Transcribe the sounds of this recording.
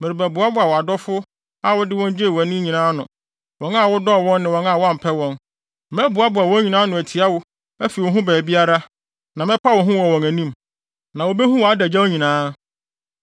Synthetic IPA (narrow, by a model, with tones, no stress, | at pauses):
mɪ˨ɪ˨bæ˨bʊ˨˦a˦bʊ˨˦a˨wɔ˨a˨dɔ˦fʊ˦ | a˦wʊ˦dɪ˦wɔ̃˦n˦d͡ʑe˦˨wæ˨nĩ˦ɲĩ˨nãː˦nʊ̃˨ | wɔ̃˨na˦˨wʊ˦dɔ˦˨wɔ̃˦nnɪ̃˨wɔ̃˨˦na˦˨wɔ˦a˦m̩˨pʰɛ˦wɔ̃˦n | mɛ˦bʊ˨a˦bʊ˨a˨wɔ̃˦ɲi˨nãː˦nʊ̃˨æ˨tʰi˨a˦wʊ˦ | æ˦fi˨wɔ̃˨ɦũ˦bɛː˨bi˦a˦ɾa˦ | nã˨mɛ̃˦pʰa˦wɔ̃˨ɦʊ̃˦wɔ˨wɔ̃˨ŋæ˨nĩ˦m | nã˨wo˨be˦ɦũ˦wɔ˨a˦dæ˨d͡ʑa˦wo˦ɲĩ˨nãː˦